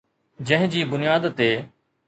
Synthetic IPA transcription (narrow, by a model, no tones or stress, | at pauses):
d͡ʑɐ̃ɦɪ̃d͡ʑiːbʊnijaːd̪t̪eː